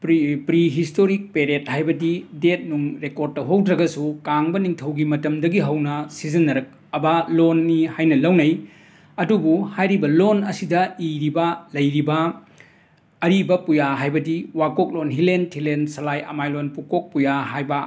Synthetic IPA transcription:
pɾpɾiɦistoɾik̚peɾet̚hajbɐdidet̚nuŋɾekoɾd̚tɐɦowdɾɐɡɐsukaŋbɐniŋtʰɐwɡimɐtɐmdɐɡiɦɐwnɐsizɐnːɐɾɐk̚ | ɐbalonːihajnɐlɐwnɐj | ɐdubuhajɾibɐlonɐsidɐiɾibɐlɐjɾibɐ | ɾibɐpujaɦajbɐdiwakok̚lonɦilenʰilensɐlajɐ̰majlonpukok̚pujaɦajbɐ

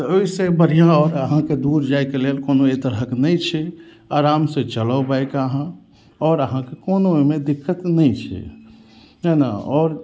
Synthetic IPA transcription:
t̪oisebəɽ̤ijãɔːɾəɦãked̪uɾd͡ʒajkelelkonoet̪əɾɦəknəjt͡ʃʰɛ | aɾamsẽt͡ʃələbajkaɦã | ɔːɾəɦãkekonoomed̪ikʰːət̪nəjt͡ʃʰɛ̰ | ɦəna̰ɔːɾ

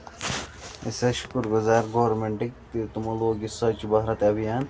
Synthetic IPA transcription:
ḛsɐʃkuɾɡuzaːɾɡoːɾmeɳʈik̚t̪it̪umɐloːɡisɐt͡ʃbɐɦɾɐt̪ɐbijaːn

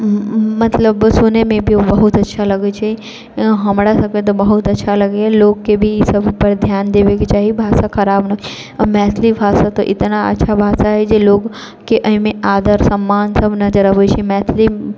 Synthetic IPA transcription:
mɐt̪ləbsonemẽbʱiobɐɦʊt̪ɐtːʃʰalɐɡet͡ʃʰe | ɦɐmɽasɐkẽt̪̬obɐɦʊt̪ɐtːʃʰalɐɡeɦɛloːɡkebʱisɐbʱpɐɾd̪ʱjaːnd̪eːʋeket͡ʃaːɦibʱaːsakʰɐɾaːbnɐ | mɛːt̪ʰlibʱaːsat̪oʔɪt̪naɐ̰tːʃʰabʱaːsaɦɛd͡ʒeloːɡ | keʔɐɦĩmẽaːd̪əɾsɐmːaːnsɐbʱnɐd͡ʒəɾɐʋot͡ʃʰemɛːt̪ʰli

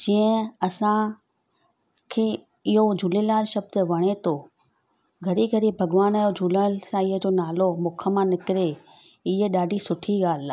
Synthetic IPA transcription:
d͡ʑiːə̃ɐsã | kʰeː | ɪɦod͡ʑʱulilaːɾʃɐb̚d̪ʋɐɽ̃et̪ʰo | ɡʱɐɾiɡʱɐɾibʱɐɡʋaːnjod͡ʑʱuːləsãɪɦəd͡ʑoːnaːlomʊkʰə̆mãnɪkɪɾe | ɪɦeɗaːɖʱisʊʈʰiɡaːlaː

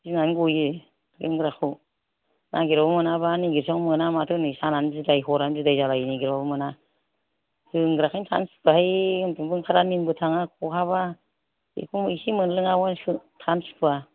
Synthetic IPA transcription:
ziŋanɡujɯ | ɡɯŋɡɾakʰu | nʔaɡiɾɔbmɯnaβaniɡiɾsɔŋmɯnamatʰɯnisananzidajɦɔɾanzidajzalajniɡiɾɔbmɯna | sɯŋɡɾakʰɯjntʰa̰nsu̥pʰahajɯntuŋbɯŋkʰaɾaninbɯtʰaŋakʰɔhʰaβa | ḛkʰumisimɯnlɯŋawɔnsɯtʰansu̥pʰɯa

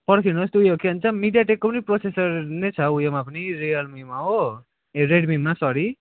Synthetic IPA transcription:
pʌɽkʰinost̪ujokeɦʌnt͡sʰʌmiɖijaʈekːopʌniprosesʌrnet͡sʰʌujomapʌnirijʌlmimaɦo | eɾeɖmiːasʌɾi

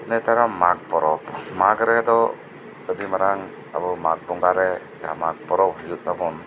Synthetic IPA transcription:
nɛt̪ʰaɾamak̚pɔɾɔpmakɡɾɛd̪ɔ | ɔdimaɾaŋ | a̰bɔmak̚bɔŋɡaɾɛ | d͡ʒa̰mak̚pɔɾɔp̚hɔjut̪̚ˀnabɔn

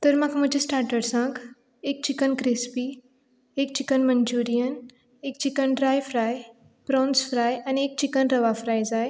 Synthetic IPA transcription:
t̪əɾmakʰm̤əd͡ʑesʈaɾʈəɽsãk | ek̚t͡ɕikənkɾispi | ek̚t͡ɕikənməɲd͡ʑuɾijən | ek̚t͡ɕikənɖɾajfɾaj | pɾɔ̃nsfɾajaniek̚t͡ɕikənɾəʋafɾajd͡zaj

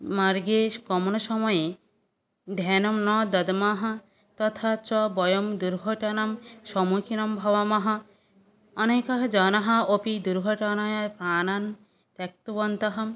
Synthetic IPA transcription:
maɾɡeʃkɔmonoʃɔmɔje | d̪ʱɛnɔmnɔd̪ɐd̪maɦɐ̃ | t̪ɔt̪ʰat͡ʃɔbɔjomd̪uɾɡʱɔʈɔnamʃɔmukʰinɔmbʱɔβamaɦɔ | ɔnekaɦd͡ʒɔnaɦɐ̃opid̪uɾɡʱɔʈɔnajapɾaːnan | t̪ɛk̚t̪ubɔnt̪aɦɐm

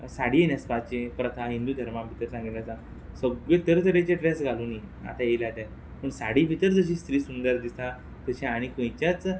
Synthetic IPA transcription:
saɽ̤iːenaspat͡ɕepɾət̪ʰaɦĩnd̪uːd̪ʱəɾmabʱit̪əɾsãŋɡit̪asã | səɡet̪əɾt̪əɾet͡ɕeʈɾɛsɡʱaluːni | a̰t̪aelad̪a | pəɳsaɽ̤ibʱit̪əɾd͡zəɕiːst̪ɾiːsund̪əɾd̪ist̪a | t̪əɕãaɽ̃ikə̃jt͡ɕat͡s

